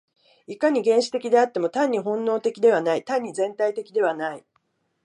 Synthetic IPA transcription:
ikaɲ̟iɡẽ̞ɰ̃ɕi̥t̪e̞kʲid̪e̞at̪ːe̞mo̞t̪ãɲ̟ːiɦõ̞nːo̞ːt̪e̞kʲid̪e̞β̞anait̪ãɲ̟ːizẽ̞nt̪ait̪e̞kʲid̪e̞β̞anai

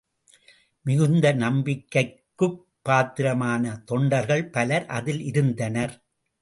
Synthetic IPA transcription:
mɪɣɯnd̪ɐnɐmbɪkːɐɪkkːɯpːaːt̪ɪɾɐmaːnɐt̪ɔɳɖɐɾɣɐɭpɐlɐɾʔɐ̰ðɪlʔɪɾɯnd̪ɐnɐɾ

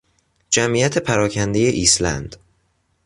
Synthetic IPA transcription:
d͡ʒæmʔiːjæt̪ʰe̞pʰæɾɒːkʰænd̪e̞je̞ʔiːslæ̰nd̪̥

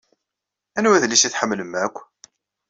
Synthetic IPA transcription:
ænwæðliʃiθħəmːləmækʷː

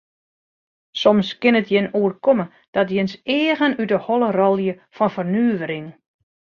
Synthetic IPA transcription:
sɔmskɪnətjɪnuərkɔmə | d̥ɔtjɪnseːɣənydəhɔlˠərɔlˠjə | fɔnfərnyːʋəɾɪŋ

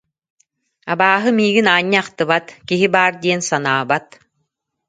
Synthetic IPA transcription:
abaːɦɯmiːɡinaːɲːɯaχt̪ɯbat̪kiɦibaːɾd̪iɛnsanaːbat̪

